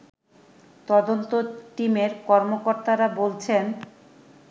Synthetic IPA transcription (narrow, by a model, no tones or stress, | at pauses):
t̪ɔd̪ont̪oʈimeɾkɔɾmokoɾt̪aɾabolt͡ɕʰen